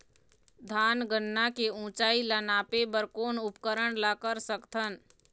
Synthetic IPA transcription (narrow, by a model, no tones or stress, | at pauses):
d̪ʱaːnɡənːakeũt͡ʃaːilanaːpebəɾkoːnʊpkəɾəɳlakəɾsəkt̪ʰən